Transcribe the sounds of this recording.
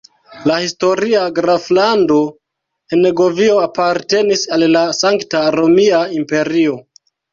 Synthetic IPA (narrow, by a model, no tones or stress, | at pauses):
lahisto̞ɾiaɡɾaflando̞ | eneɡo̞vio̞apaɾte̞nisalːasaŋktaɾo̞miaimpe̞ɾio̞